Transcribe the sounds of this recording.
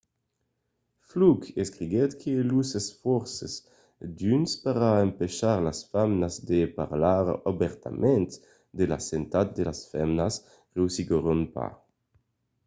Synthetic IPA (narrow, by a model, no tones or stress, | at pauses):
flukeskɾiɡɛt̪kʰelusesfɔɾsez | d̪ynspaʁaempeʃaʁlasfamnazd̪epa̰ʁlaʁabɛʁt̪a̰mʔɛnt̪ | d̪ela̰sent̪at̪̚d̪elasfɛmnas | ʁeusiɡoʁonpa̰